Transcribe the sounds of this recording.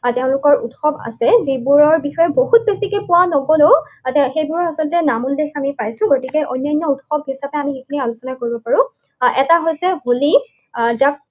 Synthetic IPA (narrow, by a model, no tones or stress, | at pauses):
tɛʊ̃lʊkɔɹutxɔba̰sɛzibuɹɔɹbixɔjɛboɦut̚besikepʊwanobɔlotxejbuɹɔasɔltɛnamuldexamipajsʊ̃ɡotikɛʔɔ̰jnːajnːɔutxɔbʱɦisapɛamiikʰinialʊsɔnakoɹibɔpaɹʊ̃ | ɛtaɦojsɛɦoli | zak̚